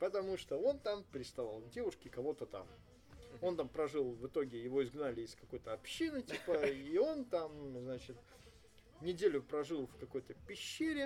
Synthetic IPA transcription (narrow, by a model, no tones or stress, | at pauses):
pət̪ɐmuʂt̪oo̞nt̪ampʲɾʲɪst̪ɐvalˠdʲe̞vʊʂkʲɪkɐvo̞t̪ət̪a̰m | o̞nt̪ampɾɐʐɨlˠvɨt̪o̞ɡʲɪjɪvo̞ɪzɡnalʲɪɪskɐko̞jt̪əɐpɕːinɨtʲipəio̞nt̪amznat͡ɕɪt̪ | nʲɪdʲelʲʊpɾɐʐɨlˠfkɐko̞jt̪əpʲɪɕːeɾʲɪ